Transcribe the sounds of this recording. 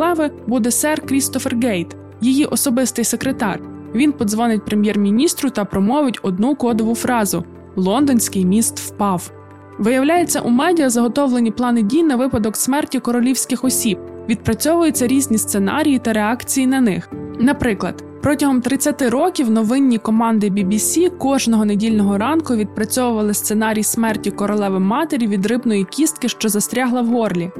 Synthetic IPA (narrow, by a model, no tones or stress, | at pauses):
ɛʋɪbud̪ɛsɛrkɾʲist̪ɔferɡɛjt̪ | jijiʔɔsɔbɪst̪ɪjsekɾet̪ɑ̰rʋʲinpɔd̪zʋɔnɪt̚ʲpɾemʲjɛrmʲinʲist̪ɾʊt̪ɐpɾɔmɔʋɪtʲɔd̪nukɔd̪ɔʋʊfɾɑzʊ̰ | lˠɔnd̪ɔnʲsʲkɪjmʲist̪wpɑw | ʋɪjɐwlʲajet͡sʲːɐ̰ʔumɛdʲijɐzɐɦɔt̪ɔʋlˠenʲiplˠɑnɪdʲijnɐʋɪpɐd̪ɔksmɛrtʲikɔɾɔlʲiwsʲkɪxɔsʲib̚ʋʲid̪̚pɾɐt͡sʲɔʋʊjet͡sʲːɐɾʲizʲnʲist̪senɑ̰ɾʲijit̪ɐɾeɑkt͡sʲijinɐnɪxnɐpɾɪklˠɐ̰d̪ | pɾɔtʲɐɦɔmt̪ɾɪt͡sʲːɐt̪ɪɾɔkʲiwnɔʋɪnʲːikɔmɑnd̪ɪbʲibʲisʲikɔʒnɔɦɔnedʲilʲnɔɦɔɾɑnkʊʋʲid̪̚pɾɐt͡sʲɔʋʊʋɐlˠɪst̪se̞nɑɾʲijsmɛrtʲikɔɾɔlˠɛʋɪmːɑt̪eɾʲiʋʲid̪ɾɪbnɔjikʲist̪̚kɪʃt͡ʃɔzɐst̪ɾʲɑɦlˠɐwɦɔrlʲi